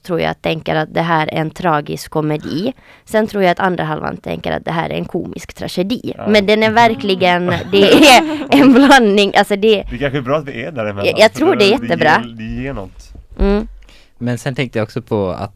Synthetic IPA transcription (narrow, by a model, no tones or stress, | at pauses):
t̪ʰɾuːja̰t̪ʰɛŋkəɾat̪̚d̪ɛɦæːɾɛ̰ɾɛnt̪ʰɾɑːɡɪskʰːɔmɛd̪iːsɛnt̪ʰɾuːɾjaat̪ʰand̪ɾaɦalva̰nt̪ʰɛ̰ŋkəɾa̰t̪̚d̪ɛɦæ̰ːɾæ̰ɾɛnkʰuːmɪskt̪ʰɾa̰ʂɛd̪iːmɛnd̪ɛnæɾvæɾklɪɡənd̪ɛæɛnblanːɪŋʔalsɔd̪ɛɛkʰanɧbɾɑːt̪d̪ɛɛdæɾmɛjɑːɡt̪ʰɾuːɖɛæɾjɛt̪ːəbɾɑːɛnɔ̰t̪m̩ː | mɛnsɛnt̪ʰɛŋt̪əjaɔksɔpʰɔa̰t̪